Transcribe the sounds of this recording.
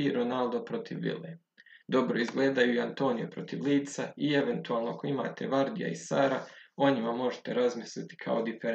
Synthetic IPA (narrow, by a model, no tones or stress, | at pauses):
iɾo̞nald̪o̞pɾo̞t̪ʰiʋːḭlḛ | d̪o̞bɾo̞izɡle̞ːd̪ajuiant̪o̞ːnijepɾo̞t̪iʋliːt̪saie̞ʋe̞nt̪uaːlˠnoako̞ima̰ːt̪ʰe̞̰ʋaɾd̪ija̰isaːɾao̞ɲimamo̞ʒe̥t̪e̞ɾazmislit̪i̥kʰa̰od̪ifeɾ